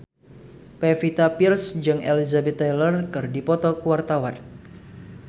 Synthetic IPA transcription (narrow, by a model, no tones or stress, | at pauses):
pefit̪apirsd͡ʒɨŋelizabɛt̪ːalərkɨrdipɔt̪ɔkuwart̪awan